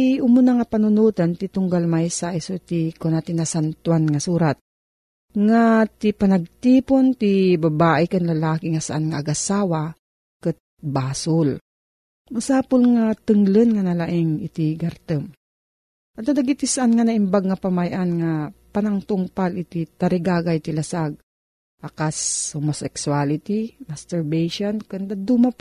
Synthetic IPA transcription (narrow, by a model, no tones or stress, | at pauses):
ʔʊmʊnaŋapanʊnuːt̪ant̪it̪ʊŋɡalmajsajsot̪ikonat̪ɪnasant̪wanŋasuːɾat̪̚ | ŋat̪ipanaɡ̚t̪iːpont̪ibabaːʔɪkanlɐlaːkɪŋasaʔanŋaːɡasaːwa | kɨt̪̚baːsʊl | mʊsaːpʊlŋat̪ɨŋlɨnŋanɐlaʔɪŋɪt̪iɡɐɾt̪ɨm | ad̪ad̪aɡit̪isaʔanŋanɐʔɪmbaɡ̚ŋɐpamajʔanŋapɐnaŋt̪ʊŋpalʔɪt̪it̪ɐɾɪɡaːɡajt̪ɪlɐsaɡ̚ | ʔɐkashomosɛksualɪt̪imɐst̪ɛɹbɛjʃonkɨnd̪ad̪umap